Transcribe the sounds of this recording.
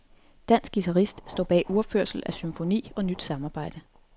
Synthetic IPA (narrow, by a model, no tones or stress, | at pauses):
d̥æn̰sɡ̥ɡ̥it͡sʰæʁisd̥sd̥ɒ̰ːb̥ɛ̰ːʔuɐføɐ̰sl̩æsymfo̝nḭːɒ̽nyd̥sɑ̈mɑ̈ːb̥ɑ̈ɪ̰d̥ə